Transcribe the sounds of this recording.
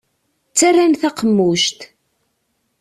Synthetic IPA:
t͡sːarːanθaqəmːuʃt̪

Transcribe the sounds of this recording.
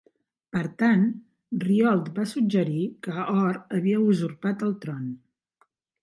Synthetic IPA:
pəɾt̪an | riɔlˠt̪basud͡ʒəɾikəɔɾəβiəuzuɾpat̪əlˠt̪ɾɔn

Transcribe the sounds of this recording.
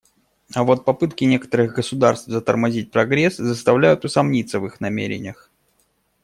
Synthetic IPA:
ɐvot̪̚pɐpɨt̪̚kʲɪnʲekə̥t̪əɾɨɣɡəsʊd̪arst̪vzət̪ərmazʲit̚ʲpɾɐɡɾʲɛszəst̪avlʲæjʊt̪ʊsamnʲit̪sːəvɨxnɐmʲḛɾʲɪ̰nʲəx

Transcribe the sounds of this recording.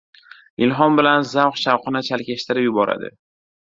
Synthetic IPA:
ɪlɦɒnbɪlanzawqʃawqɨnɪt͡ʃʰalkʲeʃt̪ʰɪɾɪpjʊbɒɾa̰d̪ɪ̰

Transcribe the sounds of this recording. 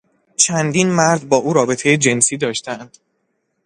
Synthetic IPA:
t͡ʃʰænd̪inmæɾd̪̚bɒːʔuːɾɒːbe̞t̪ʰe̞jed͡ʒe̞nsiːd̪ɒːʃt̪ʰænd̪̥

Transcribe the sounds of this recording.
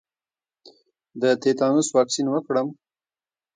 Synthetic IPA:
d̪ət̪et̪ɑnuswɑksinwəkɽəm

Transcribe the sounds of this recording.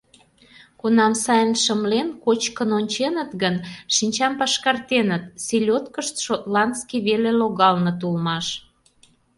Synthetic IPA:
kunɑmsɑjənʃəmlenkot͡ɕkənonʲt͡ɕenət̪ɣənʃinʲt͡ɕɑmpɑʃkɑrt̪enət̪silʲot̪kəʃt̪ʃot̪lɑnd̪skiβeleloɣɑlnɤ̆t̪̬ulmɑʃ

